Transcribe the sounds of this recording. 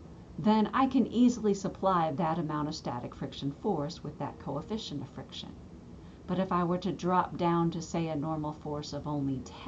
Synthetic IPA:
ðɨ̃na̰ɪkʰɨ̃nizl̩ˠisəpʰl̥aɪvðɨɾɨmãʊ̃ɾ̃ʌv̥stæ̰ɾɨkfɹɪkʃɨ̃n̩fɔɹswɨðɨ̰t̚kʰoʊəfɪʃɨ̃ntəfɹɪkʃɨ̰̃n | b̥ʌɾɨfaɪwə˞ɾɨdɹɑp̚d̥ãʊ̃ntɨseɪɨnɔɹml̩ˠfɔɹsʌvõʊ̃nlitʰ

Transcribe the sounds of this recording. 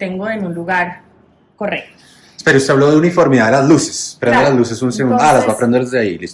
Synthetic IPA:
t̪eŋɡoenunluɣaɾ | korek̚t̪o | espeɾoust̪eaβloðeunifo̞ɾmiðaðelazluse̥spɾend̪elazlusesunseunalazbapɾend̪elzðeailis

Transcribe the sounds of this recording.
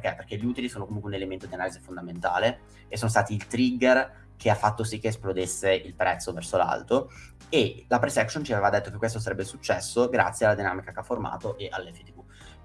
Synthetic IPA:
pk̟epːerk̟eʎiuːt̪ilisoːnokomuŋkweunelement̪od̪ianaːlizefond̪ament̪a̰ːle | esːoːnost̪aːt̪iːlt̪ɾiɡːer | k̟ʰeafːat̪ːosikːesplod̪esːeʔilpɾʔɛt̪sːovɛrsola̰lt̪o | elapɾesɛkʃont͡ʃiaveːvad̪et̪ːokekːwest̪os̬aɾɛbːesut͡ʃːɛsːoɡɾa̰t̪sːjealːad̪inaːmikakeafːorma̰ːt̪oʔeʔalːɛfet̪iku

